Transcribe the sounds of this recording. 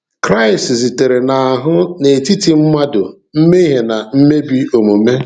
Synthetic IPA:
kɾa˦ɪ˨szi˨te˨ɾe˨na˨a˨ɦʊ˦ne˨ti˦ti˨m̩˦ma˦dʊ˨ | m̩˦me˦i˦ɦe˨na˨m̩˦me˦bi˦o˨mo˨me˦

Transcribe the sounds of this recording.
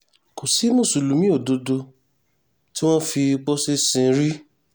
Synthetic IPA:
ko˨si˨˦nũ˦˨su˨lu˨˦mĩ˦o˦˨do˧do˧ | ti˦w̃ɔ̃˦fi˧k͡po˦se˦sĩ˧˦ɾi˦

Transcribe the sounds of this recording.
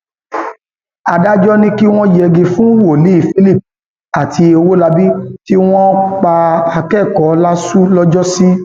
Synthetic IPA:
a˨da˦d͡ʒɔ˦nĩ˦ki˦w̃ɔ̃˦jɛ˧˨ɡẽ˨fũ˦wo˨li˨˦i˦˨fi˦li˦˨p̚ | a˨tʰi˧o˧wo˦la˧bi˦ti˦w̃ɔ̃˦k͡pa˧a˧kɛ˦˨kɔ˨˦la˦su˦lɔ˦d͡ʒɔ˦sĩ˦

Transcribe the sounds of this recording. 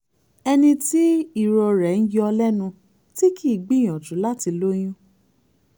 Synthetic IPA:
ɛ˧nĩ˧ti˦i˦˨ɾɔ˧ɾɛ˨n̩˦jɔ˦ɔ˧lɛ˦nũ˧ | ti˦kʰi˦˨i˨ɡ͡bi˦˨j̃ɔ̃˨tũ˨˦la˦ti˧lo˦j̃ũ˦

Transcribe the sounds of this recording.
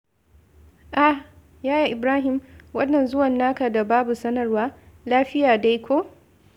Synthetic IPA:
ʔa˨ | jaː˦ja˨ʔɪ˨bɾaː˦ɦɪ˨mwɐ˦nːɐ˨nzʊ˦wɐ˨nːaː˦ka˨da˨baː˦bu˨sɐ˦nɐ˨rwaː˦ | laː˦ɸɪ˦jaː˨da˦jkʷoː˦

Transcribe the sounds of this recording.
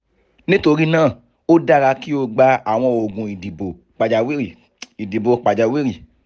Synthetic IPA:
nĩ˦to˧ɾi˦nãː˦˨ | o˦da˦ɾa˧ki˦o˧ɡ͡ba˧a˨w̃ɔ̃˧o˨ɡũ˨i˨di˨bo˨ | k͡pa˨d͡ʒa˧wi˦ɾi˨ | i˨di˨bo˨k͡pa˨d͡ʒa˨wi˦ɾi˦˨

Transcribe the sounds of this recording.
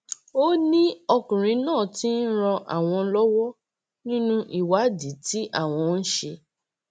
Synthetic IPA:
o˦nĩ˦ɔ˧kũ˨ɾ̃ĩ˨˦nãː˦˨ti˦n̩˦ɾ̃ɔ̃˧ʔa̰˨w̃ɔ̃˧lɔ˦wɔ˦ | nĩ˦nũ˦ʔi˨wa˨˦di˨˦ti˦ʔa˦˨w̃ɔ̃˧n̩˦ʃe˧

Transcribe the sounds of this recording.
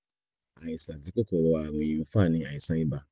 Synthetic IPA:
a˨ji˨sa˨ti˨˦ko˦kɔ˨ɾɔ˧a˨w̃ĩ˧˨ĩ˧ũ˦˧fa˦˨nĩ˧a˨ĩ˨sã˦i˦ba˧

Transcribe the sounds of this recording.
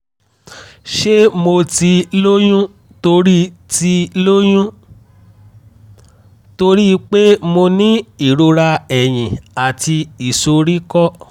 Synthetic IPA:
ʃe˦mo˧ti˧lo˦jũ˦ | to˧ɾi˦ti˧lo˦j̃ũ˦ | to˧ɾi˦˧k͡pe˦mo˧nĩ˦i˦˨ɾo˧ɾa˧ɛ˨j̃ĩ˨a˨ti˧i˨so˧ɾi˦kɔ˦

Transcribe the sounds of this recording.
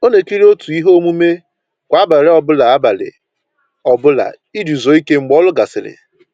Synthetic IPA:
o˦ne˨ki˦ɾo˦tu˨i˦ɦo˦mu˦me˦ | kʷa˨a˦ba˨ɾɪ˦ɔ˨bʊ˦la˨a˦ba˨lɪ̰˨ | ɔ˨bʊ˦la̰˨ | i˦du˨zo˨i˦ke˦ŋ͡m̩˨ɡ͡bɔ˦lʊ˦ɡa˨sɪ˨lɪ̰˨

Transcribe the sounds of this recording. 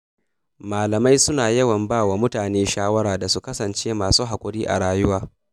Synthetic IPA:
maː˨lɐ˨ma˦jsʊ˦naː˨jɐ˦wɐ˨mbaː˦˨waː˨mʊ˦taː˨neː˦ʃaː˦wɐ˦ɽaː˨da˨su˦kɐ˦sɐ˨nt͡ʃeː˦maː˨suː˦ɦa˨kʷʼʊ˦ɽiː˦ʔa̰˨ɽaː˦jʊ˦waː˦

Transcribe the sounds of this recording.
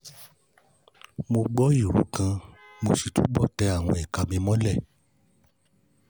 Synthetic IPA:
mo˧ɡ͡bɔ˦i˦˨ɾṵ˨˦kã˧mo˧ʃi˨tṵ˦ɡ͡bɔ˦˨tɛ˧a˦˨w̃ɔ̃˧ɛ˨ka˧mĩ˧mɔ̃˦lɛ˦˨

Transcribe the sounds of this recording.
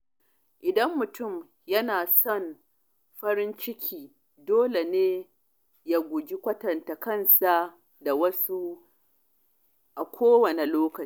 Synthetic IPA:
ʔɪ˨dɐ˦mːʊ˨tʊ˦˨m | jɐ˦naː˨sɔ˦˨n | ɸɐ˦ɾɪ˦nt͡ʃɪ˦kʲʰiː˨ | doː˦le˨neː˦ | ja˦ɡʷʊ˨d͡ʒi˦kʷɐ˦tɐ˨nta˨kɐ˦˨nsa˨ | da˨wɐ˦su˦ | ʔa˨kʷʰoː˦wɐ˨ne˨loː˦kɐ˨˦

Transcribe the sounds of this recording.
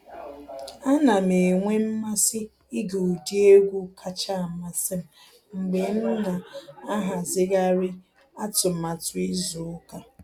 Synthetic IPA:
a˦na˨me˨ŋʷe˦m̩˦ma˦sɪ˦ | i˦ɡo˨u˨di˦e˦ɡʷu˦kʰa˦t͡ʃa˦˨ma˨sɪ˦m̩˨ | ŋ͡m̩˨ɡ͡be˨˦m̩˦ʊ˦na˨a˦ɦa˨zɪ˦ɣa˦ɾɪ˦ | a˦tʊ˨a˨tʊ˦i˦zu˨ʊ˦ka˦

